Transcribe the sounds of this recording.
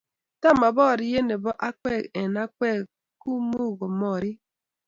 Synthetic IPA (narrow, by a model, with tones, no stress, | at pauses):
ta˦ma˨bɔ˦˨ɾi˨je˦ne˨bɔ˦ʔa˦kɛ˦˨e˨na˦k͡pɛ˦˨ | ku˦mu˦˨ɣo˨mɔ˨ɾi˦